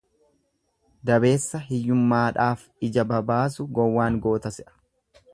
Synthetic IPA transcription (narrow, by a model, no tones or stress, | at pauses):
d̪ɐbe̞ːsːɐɦɪjːʊmːaːᶑaːf | ɪd͡ʒɐbɐbaːsʊɡɔwːaːŋɡo̞ːt̪ɐsɪʔɐ̥